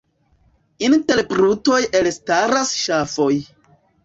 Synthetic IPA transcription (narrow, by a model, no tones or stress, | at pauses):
inte̞ɾpɾuto̞jelstaɾasʃafoj